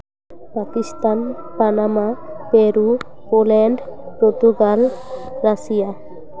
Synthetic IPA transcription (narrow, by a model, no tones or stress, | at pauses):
pakist̪an | panamapeɾu | polɛɳɖpɾot̪uɡalɾaʃija